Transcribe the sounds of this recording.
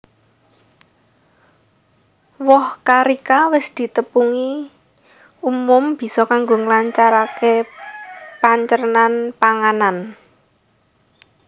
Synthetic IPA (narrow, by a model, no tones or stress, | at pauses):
wɔhkaɾikawɪsd̪̥i̤t̪əpuŋi | umʊmb̥i̤sɔkaŋɡoŋəlaɲt͡ʃaɾake | paɲt͡ʃərnanpaŋanan